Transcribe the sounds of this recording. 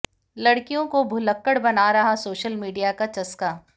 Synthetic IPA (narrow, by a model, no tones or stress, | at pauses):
lɐɽkijõkobʱʊləkːəɽbɐnaɾɐɦasoːʃəlmiːɖijakat͡ʃɐskaː